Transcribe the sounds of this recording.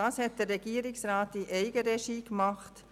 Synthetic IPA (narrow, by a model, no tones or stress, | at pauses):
ɑːshɛtd̥ərɛɡ̥iːəɾɪksraːtiʔɛɪɡəɾeʃiːkmɑχt